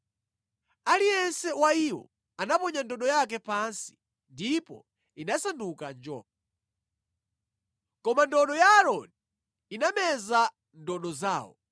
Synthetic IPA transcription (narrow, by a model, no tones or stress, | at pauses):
alijɛnsɛwaiwɔ̰ | anapɔɲandɔɗɔjakɛpansi̥ | ndipɔ̰ | inasandukand͡ʒɔ̰ːp̚a | kɔmandɔɗɔjaːɾɔni | inamɛza | ndɔɗɔza̰ːwɔ̰